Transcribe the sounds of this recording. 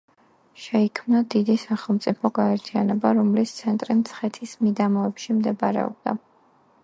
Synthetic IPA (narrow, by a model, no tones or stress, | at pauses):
ʃɛikʰmnad̪id̪isaχɛlˠmt̪sʼipʰɔɡaɛɾt̪ʰianɛbaɾɔmlist̪sʰɛnt̪ʼɾimt̪sʰχɛt̪ʰismid̪amɔɛpʃimd̪ɛbaɾɛ̰ɔ̰b̚d̪a̰